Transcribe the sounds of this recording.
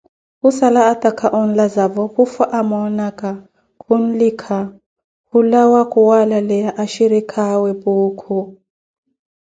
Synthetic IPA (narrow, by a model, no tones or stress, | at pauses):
kusalaːtʼakʰaʔɔn̩lazavɔhufaʔamɔnakʼa | kʰun̩likʰa | hulawakʰʼuwalalɛjaʔaʃiɾikʰawɛpuːkʰu